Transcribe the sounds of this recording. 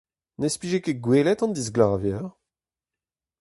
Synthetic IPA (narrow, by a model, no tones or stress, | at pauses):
nespiʒekeɡweːlɛt̪ɑ̃nd̪izɡlaːvjɛːʁ